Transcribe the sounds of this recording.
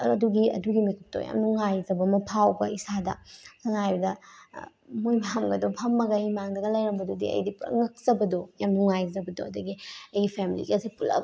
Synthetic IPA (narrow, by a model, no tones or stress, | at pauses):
ɐduɡiɐ̰duɡimikʰip̚to̰ja̰mnuŋajzɐbɐmɐpʰawbɐisadɐ̰sɐŋajbɐdɐ | mojmaamɡɐdopʰɐmːɐɡɐimaŋɡɐɡɐlɐjɾɐmbɐdodḭɐ̰jdipŋɐk̚zɐbɐdojamnuŋajzɐbɐdo̰ɐduɡiɐjɡipʰemilḭɡɐsipulɐ̰